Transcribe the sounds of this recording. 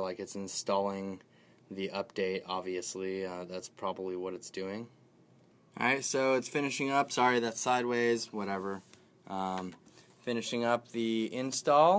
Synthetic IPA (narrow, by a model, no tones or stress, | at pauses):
laɪkɨtsɨ̃n̩stɔlˠɪ̃ŋ | ðiʔʌp̚d̥eɪɾɑbviɨsliʌðætspʰɹ̥ɑbəbliwʌɾɨtsd̥ʉɪ̃ŋ | ʔɹaɪtsoʊɪtsfɪ̃ñɨʃɪ̃ŋʌpsɑɹiðætsaɪd̚weɪzwʌɾɛvə˞ | ʔʌ̃m | fɪ̃ñɨʃɪ̃ŋʌp̚ðiɪ̃nstɔlˠ